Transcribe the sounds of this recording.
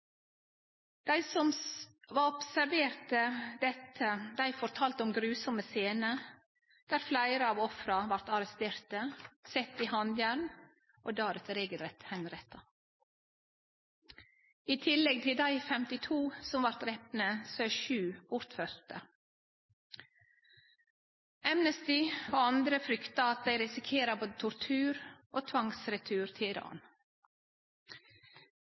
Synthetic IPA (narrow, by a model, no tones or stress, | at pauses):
d̪̥æɪsɔmʋɑɾɔpsæɾʋeːɾt̪əd̪ɛt̪ʰəd̪æɪfɔɾt̪ʰɑːlt̪ɔmɡɾʉːsɔməseːnə | d̪̥æːɾflæɪɾəɑːʋɔfɾɑʋɑɾt̪ɑɾɛst̪eːɾt̪əsɛt̪ːihɑnd̪jæɾn | ʔo̰ːd̪ɑːɾət̪ɾeːɡəlɾɛt̪hɛnɾɛt̪ʰːɑ | iːt̪ʰɪlɛɡ̚t̪ʰɪld̪æɪfɛmt̪ɪt̪ʰuːsɔmʋɑɾt̪ɾɛpnəsøːʃʉːbʊɾt̪fœɾt̪ə | æmnəst̪ɪɑnd̪ɾəfɾʏkt̪ɑɑt̪̚d̪æɪɾɪsɪkʰeːɾɑboːd̪ət̪ʰʊɾt̪ʰʉːɾʔoːt̪ʰʋɑŋsɾɛt̪ʰʉːɾt̪ʰɪlɪɾɑ̰ːn